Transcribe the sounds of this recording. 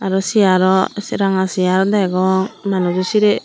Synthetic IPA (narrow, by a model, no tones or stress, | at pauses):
aɾɔsiaɾɔsɾaŋasijaɾɔd̪aɡɔŋmanud͡ʒusiɾɛ